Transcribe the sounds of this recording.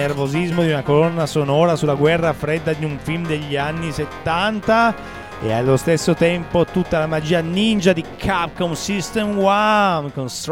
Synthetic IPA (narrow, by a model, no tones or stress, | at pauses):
ervozizmod̪iunakolɔnːasonɔːɾasulaɡwɛrːafɾed̪ːad̪iuɱfilmd̪eʎːianːiset̪ːant̪a | ḛa̰lːost̪esːot̪ɛmpot̪ut̪ːalamad͡ʒiːanind͡ʒad̪ikʰap̚konsist̪emwamkonst̪ɾ